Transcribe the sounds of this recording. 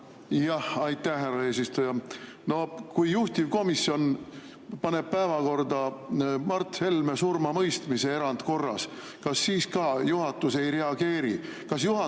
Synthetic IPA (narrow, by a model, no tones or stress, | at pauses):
jɑhɑjt̪ːæhhærɑe̞ːs̬ist̪ujɑ | no̞kujjuht̪ivko̞misːjo̞n | pɑne̞b̥̚pæevɑko̞rd̪ɑmɑrt̪ˑshe̞lme̞surmɑmɤjst̪mise̞e̞ɾɑnd̪̥ko̞rːɑs | kɑsːiːskɑːjuɦɑt̪ːˑuse̞jɾe̞ɑɡ̥e̞ːɾikɑsjuhɑ